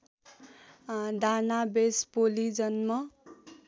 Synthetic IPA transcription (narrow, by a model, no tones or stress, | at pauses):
d̪anabespolid͡zʌnmʌ